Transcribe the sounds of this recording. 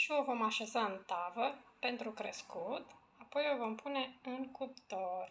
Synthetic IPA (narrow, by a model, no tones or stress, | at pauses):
ʃiovo̞maʃe̞zaɨnt̪avəpe̞nt̪ɾukɾeskut̪ | apo̞jovo̞mpʰune̞ɨŋkupt̪or